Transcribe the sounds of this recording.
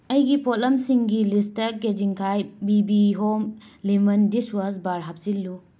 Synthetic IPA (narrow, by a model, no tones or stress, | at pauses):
ɐjɡipʰot̚lɐmsiŋɡilistɐked͡ʒiŋkʰajbibiɦomlimɐndisuwasbaɾɦap̚silːu